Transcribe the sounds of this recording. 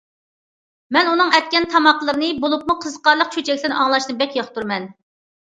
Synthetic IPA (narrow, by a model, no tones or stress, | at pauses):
mɛnunɨŋɛt̪̚kʲɛnt̪ʰɑmɑqlˠəɾɨnɨbolˠup̚muqʰəzqɑɾlˠəqt͡ʃʰøt͡ʃʰɛkʲlɪɾnɨʔɑŋlˠɑʃt̪ɨnbɛkʲjɑχt̪uɾmɛn